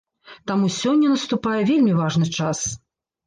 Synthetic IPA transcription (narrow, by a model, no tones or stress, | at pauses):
t̪amusʲɔnʲːɐnɐst̪upajɛvʲelʲmʲivaʐnɨt͡ʂas